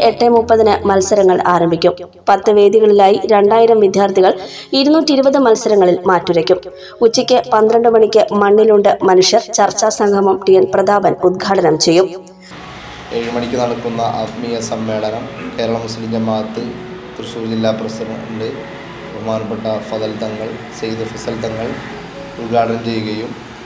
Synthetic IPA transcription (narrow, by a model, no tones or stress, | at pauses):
eʈːemupːɐðɐnɨmɐlsɐɾɐŋːɐɭaːɾɐmbʱikʲːum | pɐt̪ːɨʋe̞ːd̪iɣɐɭilaːjiɾe̞ɳɖaːjiɾɐmʋid̪ʱjaːrt̪ʰiɣɐɭ | iɾunːuːtːiɾubɐðɨmɐlsɐɾɐŋːɐɭilmaːtːuɾɐkʲːum | ut͡ɕːikʲːɨpɐnd̪ɾɐɳɖɨmɐɳikʲːɨmɐɳːiluɳɖɨmɐnuʂjɐrt͡ɕɐrt͡ɕːaːsɐŋɡʰʱɐmɐmʈijɐnprɐd̪ʱaːbɐnud̪̚ɡʱaːɽɐnɐmt͡ɕe̞jːum | eɻimɐɽikʲːunɐɳukːunːɐʔɐt̪mijɐsɐmːe̞ːɭɐnɐmke̞ːɾɐɭɐmːusliliɲd͡ʑɐmaːt̪ːɨ | t̪rɨɕuːɾd͡ʑilːaːprɐsɐɾɐɖe | bɐmaːnɐpːeʈːɐfɐðɐlt̪ːɐŋːɐɭ | sejd̪ifɐsɐlt̪ːɐŋːɐɭ | ud̪ɡʱaːɽɐnɐmt͡ɕe̞jːuɣɐjum